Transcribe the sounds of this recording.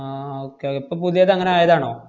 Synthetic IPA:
aoːkːeipːoːpuðijɐðɐŋːɐneaːjɐðaːɳo̰ː

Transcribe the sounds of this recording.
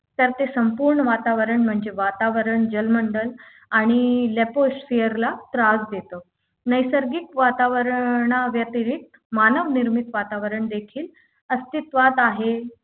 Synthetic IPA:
t̪jəɾt̪esəmpuːɾɳəʋat̪aʋəɾəɳm̤əɳd͡ʑeʋat̪aʋəɾəɳd͡ʑəlməɳɖəl | aɽ̃ilɛposfejəɾlat̪ɾad͡zd̪et̪ə | nəjsəɾɡikʋat̪aʋəɾɳaʋjət̪iɾik̚t̪ | manəʋniɾmit̪ʋat̪aʋəɾəɳd̪ekʰiːl | əst̪it̪ʋat̪aɦe

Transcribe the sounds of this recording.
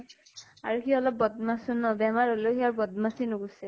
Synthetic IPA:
aɹukiɔlɔb̚ːɔd̪masunɔbɛmaɹɦolokiaɹbɔd̪̚masinuɡusɛ

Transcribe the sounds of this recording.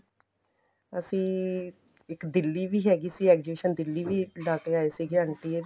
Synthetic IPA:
əsĩː | ɪkd̪ɪlːiːʋiːɦɛːɡiːsiːɛːkd͡ʒeʃənd̪ɪlːiːʋiːlaːkeːaːeːsiːɡɪɾãːɳʈiːe

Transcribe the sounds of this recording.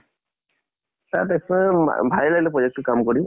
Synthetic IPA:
tatɛksɔ̰bʱajilaɡlɛpɹɔd͡ʒɛk̚tʊkamkɔɹi

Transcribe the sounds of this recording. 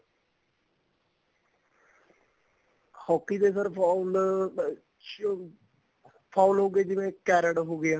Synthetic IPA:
hɔːkːiːd̪eːsəɾpʰɔl | pʰɔːʊlɦoːɡeːd͡ʒɪʋẽːkɛːɾəɽɦoːɡeã

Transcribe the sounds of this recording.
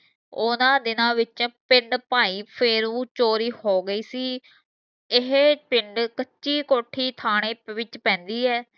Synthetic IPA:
ʊnãːd̪ɪnãːʋɪt͡ʃpɪɳɖpaːiːpʰɪɾũːt͡ʃoːɾiːhoːɡəiːsiː | ɪɦpɪɳɖkətːʃiːkoːʈʰiːt̪ʰaːɽeːʋɪt͡ʃpɛ̃ːnd̪iːɛː

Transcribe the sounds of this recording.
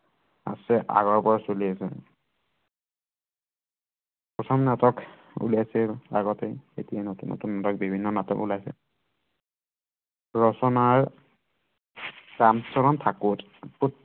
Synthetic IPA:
a̰sɛʔa̰ɡɔɹbɔɹsoliasɛ̰ | pɔtʰɔmnatɔk | ṵliasɛaɡɔteḛtijanotuno̰tunːatɔk̚bibʱinːɔnatɔ̰kṵlajsɛ̰ | ɹɔsɔnaɹ | damtɔɹɔntʰakʊt | pɔ

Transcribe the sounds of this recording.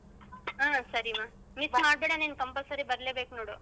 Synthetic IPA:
aːsɐɾimaː | mismaːɽbeːɽɐniːnkɐmpɐsɐɾibɐɾleːbeːkunoːɽu

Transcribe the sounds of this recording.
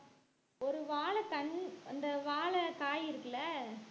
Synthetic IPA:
ɔɾɯʋaːɭɐkɐɳɐnd̪ɐʋaːɭɐkaːjɪɾɯkːɐɭɐ

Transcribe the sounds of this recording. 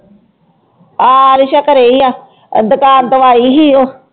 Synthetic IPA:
aːɾɪʃakəɾeiaː | ə̰nd̪əkaːɾd̪əʋaːiːɦiːoː

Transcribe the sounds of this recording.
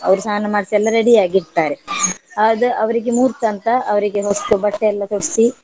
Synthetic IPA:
ɐ̰ʋɐɾusaːɐnːɐmaːɖisiɛlːɐɾeɽijaːɡiʈt̪ːaːɾeaːd̪ɐɐʋɐɾiɡemuːɾt̪ɐnt̪ɐʔɐʋɐɾiɡeɦost̪ubɐʈːeɛlːɐt̪oɽisi

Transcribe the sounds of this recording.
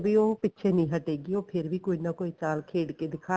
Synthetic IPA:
biːoːpɪtːʃʰeːnĩːɦəʈeːɡiːoːpʰɪɾʋiːkoːinaːkoːiːt͡ʃaːlkʰeːɽkeːd̪ɪkʰaː

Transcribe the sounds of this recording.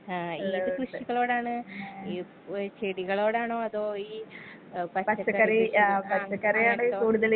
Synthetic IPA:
aːiːɨkɾuʂiɣɐɭoːɽaːɳɨi | t͡ɕeɽiɣɐɭoːɽaːɳoːɐðoːiː | pɐpɐɐt͡ɕːɐkːɐɾeapɐt͡ɕːɐkːɐɾejaːɳɨkuːɽuðɐl

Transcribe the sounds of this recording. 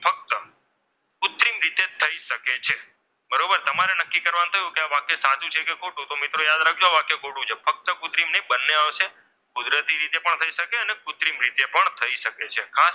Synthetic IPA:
fək̚t̪ə | kʊt̪ɾimɾit̪et̪ʰəiʃəket͡ʃʰe | bəɾobəɾt̪əmaɾenəkːikəɾʋañũt̪ʰəjũkeaʋakːesad͡ʒ̪ũt͡ʃʰekekoʈũt̪omɪt̪ɾojad̪ɾak̚ʰd͡ʒoʋakːekoʈũt͡ʃʰefək̚t̪əkʊt̪ɾimneĩbənːeaʋʃe | kʊd̪ɾət̪iɾit̪epəɳt̪ʰəiʃəkeənekʊt̪ɾimɾit̪epəɳt̪ʰəiʃəket͡ʃʰekʰas

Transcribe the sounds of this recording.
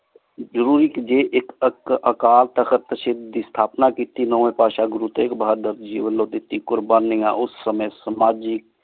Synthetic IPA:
d͡ʒəɾuːɾikd͡ʒeːʔekəkəkaːlt̪əkəɾt̪əʃɪd̪ʱist̪ʰaːpnakit̪ːinoːẽpaːʃaɡɾut̪ekbʱaaɾd̪əɾt̪d͡ʒiːʋənloːt̪it̪ːikʊɾbaːnːiã̰ʔʊsːəməjsəmaːd͡ʒik̚

